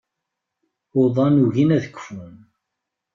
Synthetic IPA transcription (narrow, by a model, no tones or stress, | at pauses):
oðˤɑnuʝinæðəkːə̥fun